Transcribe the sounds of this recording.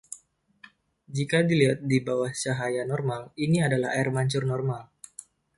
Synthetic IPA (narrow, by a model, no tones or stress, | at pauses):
d͡ʒikadiliɦat̪̚dibawaht͡ʃaɦajanɔrmaliniadala̰haɪrmaɲt͡ʃʊrnɔrmal